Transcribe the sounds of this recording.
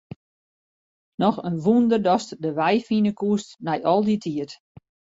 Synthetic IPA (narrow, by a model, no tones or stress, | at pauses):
nɔxənʋundərdɔstdəʋɛjfinəkuəstnɛjʔɔlˠditʰiət